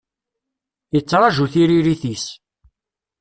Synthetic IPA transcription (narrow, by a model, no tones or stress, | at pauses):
jət͡sːɾˤɑʒuθiɾiɾiθis